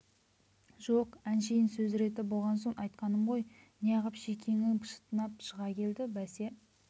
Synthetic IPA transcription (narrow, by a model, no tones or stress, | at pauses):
ʒoqænʃejɪnsɵzɾe̞t̪ɪbo̞lˠʁɑnso̞ɴʔɑjt̪̚qɑnəmʁo̞j | nejɑʁɑpʃekʲʰeŋɪŋpʰə̥ʃə̥t̪ənɑpʃəʁɑkʲʰe̞ld̪ɪbæse̞